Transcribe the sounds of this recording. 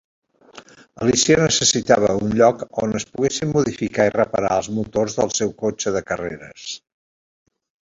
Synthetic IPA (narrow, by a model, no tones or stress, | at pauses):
əlisionəsəsit̪aβ̞əunʎɔkonəspuɣesimmuðifikairəpəɾaəlˠzmut̪orzðəlˠsɛwkot͡ʃəðəkəreɾə̰s